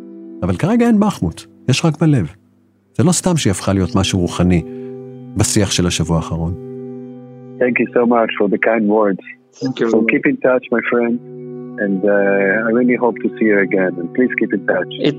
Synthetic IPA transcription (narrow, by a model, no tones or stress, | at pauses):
avalkaʁe̞ɡaenbaχmut̪ | jeʃʁakbale̞v | z̥elo̞st̪amʃiafχalijo̞tmaʃuʁuχani | basiaχʃelaʃavuaːχaʁo̞n | θɛ̃ŋkjusoʊmat͡ʃfɔ˞ðəkʰãɪ̃ndwɜ˞dz̥ | fɔkʰipɪ̃ŋtʰat͡ʃmajfɹɛ̃ndɛ̃ndajɹilˠiɦoʊp̚tʰusihə˞ɨɡɛ̃nɛ̃npʰliz̥kipɨ̃ntʰat͡ʃ